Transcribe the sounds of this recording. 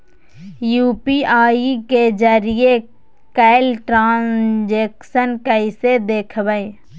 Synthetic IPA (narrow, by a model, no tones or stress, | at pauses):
juːpiaːiked͡ʒəɾie | kɛːɪlʈɾãːnd͡ʒeːkʃənkəɪsed̪eːkʰbəẽ